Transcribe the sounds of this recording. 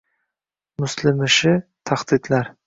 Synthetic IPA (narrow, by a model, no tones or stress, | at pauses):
mʊslɪmɪʃɪt̪ʰaχt̪it̪laɾ